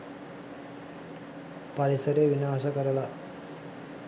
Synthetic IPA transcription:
pɐɾisɐɾeʋinaːʃɐkɐɾɐla

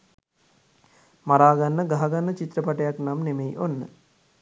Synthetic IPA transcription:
mɐɾaːɡɐnːɐɡɐɦɐɡɐnːɐt͡ʃit̪ɾɐpɐʈɐjaknamnemejʔonːə̰

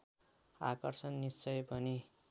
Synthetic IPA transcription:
a̰kʌrsʌnːist͡sʌjpʌni

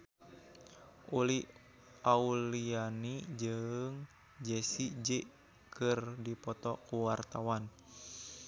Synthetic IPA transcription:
ʔuli | aulianid͡ʒɨŋ | d͡ʒɛsid͡ʒɛ | kɨrdipɔt̪ɔkuwart̪awan

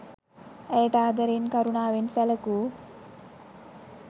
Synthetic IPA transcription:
ɛjʈaːd̪əɾenkɐɾunaːʋensɛləku

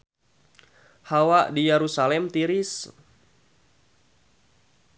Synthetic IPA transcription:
hawaʔdijeɾusalɛmt̪iɾis

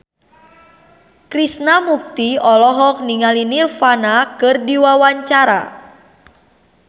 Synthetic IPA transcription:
kɾisnamuk̚t̪iɔlɔɦɔk̚niŋalinirfanakɨrdiwawaɲt͡ʃaɾa̰

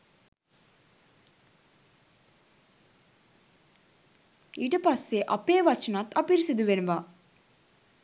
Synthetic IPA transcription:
iːʈəpasːeʔɐpeːʋɐt͡ʃɐnat̪apiɾisid̪uʋenuʋa

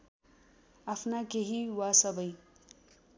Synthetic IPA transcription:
apʰnakeɦiwasʌbʌj

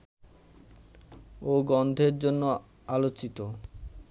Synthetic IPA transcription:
oɡɔnd̪ʱeɾd͡ʑonːo | alot͡ɕit̪o

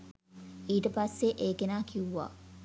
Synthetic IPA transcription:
iːʈəpasːeʔeːkenaːkʰiuʋa̰ː

